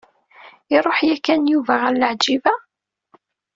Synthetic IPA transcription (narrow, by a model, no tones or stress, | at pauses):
ɪɾˤoħjækːænjuvæʁælːəʕd͡ʒivæ